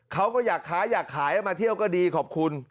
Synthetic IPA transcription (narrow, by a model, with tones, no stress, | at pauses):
kʰa˦˥wkɔː˥˩jaː˨˩kʰːaː˦˥jaː˨˩kʰːaː˩˦ja˧˩maː˧t̪ʰi˥˩əwkɔː˥˩diː˧kʰɔː˨˩p̚kʰu˧n